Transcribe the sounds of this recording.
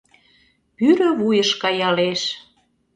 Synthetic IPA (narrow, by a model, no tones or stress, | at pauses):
pyɾø̆βujəʃkɑjɑleʃ